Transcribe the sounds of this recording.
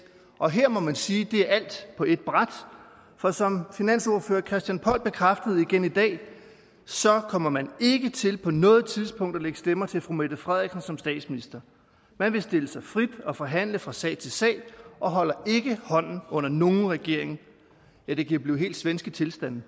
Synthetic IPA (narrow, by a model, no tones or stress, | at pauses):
ʔɒ̽ɦeɐ̰mɒ̽mænsiːd̥e̝æɐʔæl̰d̥pʰɒ̽e̝d̥̚b̥ʁad̥ | fɒ̽sɒ̽mfinæn̰sɔːɐføːɐkʰʁɛsd̥jænpʰɒ̽l̰b̥e̝kʰʁafd̥əð̩ˠiɡ̥enid̥ɛ̰ː | sɒ̽kʰɒ̽m̰ɐmæne̝ɡ̥ət͡sʰe̝lpʰɒ̽nɔ̽ːð̞̩ˠt͡sʰið̞ˠspʰɔ̽ŋ̰d̥ɐleɡ̥əsd̥emɐt͡sʰe̝lfʁumed̥əfʁɛðˠiɡ̥sn̩sɒ̽msd̥ɛ̰ːd̥sminisd̥ɐ | mænʋe̝sd̥e̝ləsɑ̈ɪfʁid̥ɒ̽fɒ̽ɦæn̰ləfʁɑ̈sɛ̰ɪt͡sʰe̝lsɛ̰ːɪʔɒ̽ɦɒ̽l̰ɐe̝ɡ̥əhɒ̽n̰n̩ɔ̽n̰ɐno̝ːn̩ʁɛɡ̥e̝ɐ̰e̝ŋn̩ | jæd̥e̝ɡ̥ib̥liːɦe̝̰ːld̥sʋensɡ̥ət͡sʰe̝lsd̥æn̰